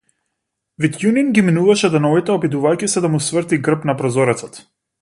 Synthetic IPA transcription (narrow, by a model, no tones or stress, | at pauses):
vit̪juninɡʲiminuvaʃɛd̪anɔvit̪ɛɔbid̪uvajkisɛd̪amusvrt̪iɡr̩pnapɾɔzɔɾɛt̪sɔt̪